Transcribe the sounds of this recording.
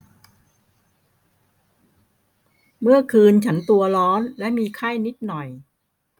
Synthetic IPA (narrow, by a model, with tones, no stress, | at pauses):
mɯ˥˩ɐkʰɯː˧nt͡ɕʰa˦˥nt̪u˧ɐɾɔː˦˥nlɛ˦˥ʔmiː˧kʰa˥˩jni˦˥t̪̚nɔ˨˩j